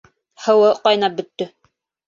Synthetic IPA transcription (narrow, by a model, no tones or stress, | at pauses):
hɤ̆wɤqɑjnɑp̚bɵ̆t̪ːɵ